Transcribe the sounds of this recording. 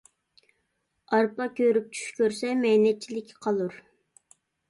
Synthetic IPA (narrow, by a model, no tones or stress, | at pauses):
ɑɾpɑkʲʰøɾyp̚t͡ʃʰy̥ʃkʲøɾsɛmɛnɛt̪̚t͡ʃʰilɪkʲʰqʰɑlˠuɾ